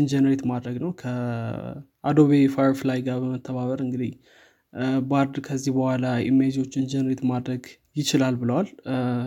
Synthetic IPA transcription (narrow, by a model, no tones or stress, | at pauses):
ɪnd͡ʒɛnəɾet̪mad̪ɾəɡnəwkʰə | ʔad̪o̞βefaɾflajɡabəmət̪ʰːəβaβəɾɨŋɡɨd̪ih | baɾd̪kʰəzːihbəhʷwʷalaḭmed͡ʒo̞t͡ʃːɪnd͡ʒɛnəɾet̪mad̪ɾəɡ | jɪt͡ʃɪlalbɨləwal